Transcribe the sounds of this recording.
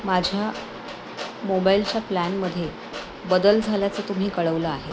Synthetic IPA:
mad͡ʑʱja | mobailt͡ɕaplænməd̪ʱːje | bəd̪əld͡zʱaljat͡səːt̪um̤iːkəɭəʋləaɦe

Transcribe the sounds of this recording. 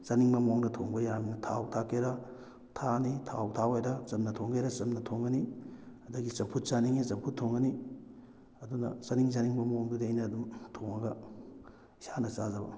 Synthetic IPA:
zaniŋbɐmoŋdɐtʰoŋbɐjaminɐtʰa̰wtʰakʰeɾɐ | tʰanitʰa̰wtʰawejɾɐt͡ʃɐmnɐtʰoŋɡejɾɐt͡ʃɐmnɐtʰoŋɡɐniɐdɐɡit͡ʃɐmpʰut̚t͡ʃaniŋet͡ʃɐmpʰutʰːoŋɡɐni | ɐdunɐ̰sɐniŋzaniŋbɐmoŋdudejnɐːdumtʰoŋɐɡɐ | sanɐsazɐbɐ̰

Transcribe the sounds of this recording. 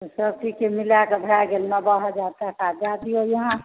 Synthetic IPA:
t̪osəb̚ʈikemilakebʱaɡelmabaɦad͡ʒat̪akad͡ʒad̪iojəɦã

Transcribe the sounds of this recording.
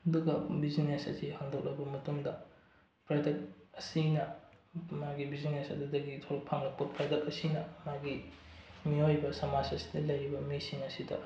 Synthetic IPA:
ɐduɡɐbizinesɐ̰sihaŋdɐk̚lɐbɐmɐtuŋdɐ | pɾadɐk̚ɐsinɐ | maɡibizinesɐ̰dudɐɡitʰoɾɐk̚pʰaŋlɐk̚pɐpɾadɐk̚ɐsinɐmaɡi | miojbɐsɐmasɐsi̥dɐlɐjɾibɐmisiŋɐsidɐ̰

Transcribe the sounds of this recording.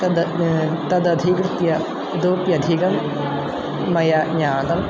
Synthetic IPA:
t̪ɐd̪ɐd̪ʱikɾt̪jɐ | d̪opjɐd̪ʱiɡɐm | mɐjaɲaːnɐm

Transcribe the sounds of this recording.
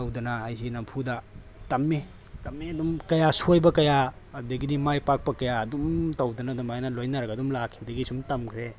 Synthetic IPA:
ɐwdɐnɐːjzinɐmpʰudɐ | tɐmːi | tɐmːiɐdumkɐjasojbɐkɐja | ɐdɐɡidimajpak̚pɐkɐjaɐdumtɐwdɐnɐdumajnɐlojnɐɾɐɡɐdumlakʰibɐdɐɡisumtɐmkʰɾe

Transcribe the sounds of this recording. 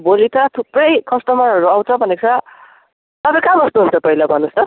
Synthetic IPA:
bolit̪at̪ʰuprʌjkʌst̪ʌmʌɾʌɾuaw̃t͡sʰʌbʱʌnekt͡sʰʌ | t̪ʌpãjkamʌst̪uɦunt͡sʰʌpʌɦilabʱʌnust͡sʌ

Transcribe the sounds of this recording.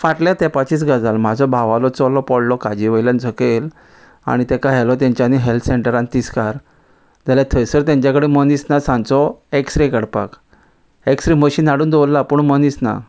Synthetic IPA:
faʈljat̪ɛpat͡ɕiːt͡sɡad͡zalm̤ad͡zʱɔbʱaʋalɔt͡sɔlɔpɔɽlɔkad͡ʑiʋəjlənd͡zʱəkel | a̰ɽ̃it̪ɛkaɦɛlɔt̪̬jãɲt͡ɕjaniɦelt̪ʰseɳʈəɾãnt̪iskaɾ | d͡zʱaljat̪ʰəjsəɾt̪jãɲt͡ɕakəɽemənisnasãnt͡sɔeksɾekəɽpa̰k | eksɾiməɕiːnːaɽuːnd̪ɔlːapuːɳmənisna̰

